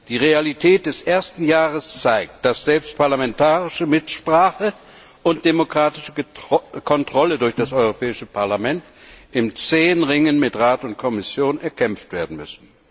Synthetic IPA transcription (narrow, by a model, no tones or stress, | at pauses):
d̥iːʁealitʰɛːt̚d̥ɛsʔeːɐstn̩jaːʁəst͡saɪk̚t̚d̥asz̥ɛlpstpʰaɐlamɛntʰaːʁɪʃəmɪtʃpʁ̥aːχə | ʔʊntd̥emokʁ̥aːtɪʃəkʰɔntʁ̥ɔlədʊɐçd̥asʔɔʏʁopʰɛːɪʃəpʰaɐlamɛntʔɪmt͡seːnʁɪŋənmɪtʁaːtʊnt̚kʰɔmɪsjoːnɛɐkʰɛmftv̥eːɐdn̩mʏsn̩